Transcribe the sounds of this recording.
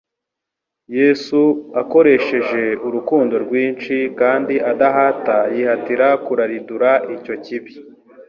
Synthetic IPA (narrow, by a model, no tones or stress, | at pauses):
jeːsuako̞ɾe̞ʃe̞ʒe̞uɾukuːndo̞ɾɡwiːnt͡ʃikaːndiadaɦatajihatiɾakuɾaɾiduɾaico̞ciβi